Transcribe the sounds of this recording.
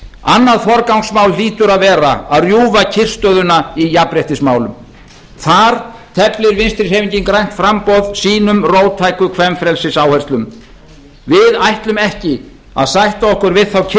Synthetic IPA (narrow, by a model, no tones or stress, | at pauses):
anːaðθɔɾkawŋsmawlliːt̪ʏɾaðvɛːɾa̰aðrjuːvacʰɪr̥st̪œðʏnaijapɾɛht̪ɪsmaːwlʏm | θaɾ̥t̪ʰɛplɪɾvɪnst̪ɾɪ̥heːjviɲciŋkɾajn̥t̪fɾampɔðsiːnʏmroːwt̪ʰaːjkʏkʰvɛmfɾɛlsɪsaːwhɛr̥st̪lʏm | vɪðajht̪lʏmɛhcɪ | a̰ðsajht̪aɔhkʏɾvɪðθawcʰ